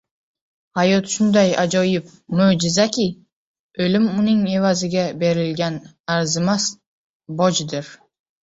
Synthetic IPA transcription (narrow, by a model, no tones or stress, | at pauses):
hajɒt̪ʃʊnd̪ajad͡ʒɒjɪp | mod͡ʒɪzakʲɪ | ɵlɪmʊnɪŋe̞vazɪɡʲabe̞ɾɪlɡʲan | aɾzɪmas | bɒd͡ʒd̪ɪɾ